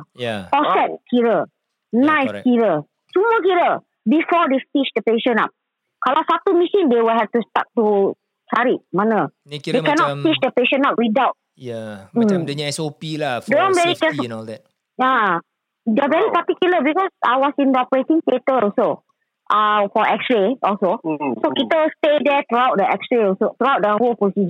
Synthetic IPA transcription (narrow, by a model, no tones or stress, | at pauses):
japɔsɛt̚kʰiɾə | najskiɹə | suməkiɾə | bifɔdeftit͡ʃdəpeʃə̃na̰p̚ | kalawsat̪umisĩŋdewəlɦɛf̚tusta̰k̚tu | t͡ʃaɹiʔ̚manəddekɛnɔttit͡ʃdəpeʃə̃napwidawt̚ | jadəɲɛsopiladoãmvɛɹikɛsnɔldɛt̚ | ja | dɛavɛɹipatikjuləbikɔsa̰jwɔsĩndɔpəɹetĩŋtetəlso | ʔafɔʔɛksɹeʔɔlsosokit̪əstedɛt̪ɾuawt̚dəɛksɹeɔsot̪ɾuawt̚dəholpɹosid͡ʒən